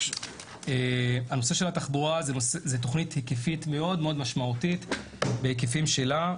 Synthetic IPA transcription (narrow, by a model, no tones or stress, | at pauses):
eano̞seʃe̞lataχbuʁazezet̬oχnithikefitme̞o̞dmeo̞d̪maʃmautit | behikefimʃe̞la